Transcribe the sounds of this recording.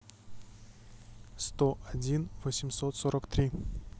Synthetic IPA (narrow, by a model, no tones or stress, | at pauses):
st̪oʔɐdʲinvəsʲɪmsot̪soɾʔəkt̪ɾʲi